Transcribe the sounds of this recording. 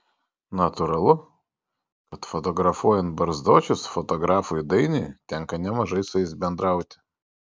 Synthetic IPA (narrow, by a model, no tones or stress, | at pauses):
nɐt̪ʊɾɐlˠʊ | kɐt̪fɔt̪ɔɡɾɐfuɔjɛnt̪̚bɐɾzd̪oːt͡ʃʲʊsfɔt̪ɔɡɾɑːfʊjd̪ɐɪnʲɪt̪ʲɛŋkɐnʲɛmɐʒɐɪsʊɛɪsʲbʲɛnd̪ɾɐʊt̪ʲɪ̥